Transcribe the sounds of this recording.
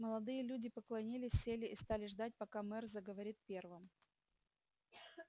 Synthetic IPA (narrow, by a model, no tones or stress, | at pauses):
məlˠɐd̪ɨjəlʲudʲɪpəklˠɐnʲilʲɪsʲsʲelʲɪːst̪alʲɪʐd̪at̚ʲpɐkamɛrzəɡəvɐɾʲit̪̚pʲe̞rvɨm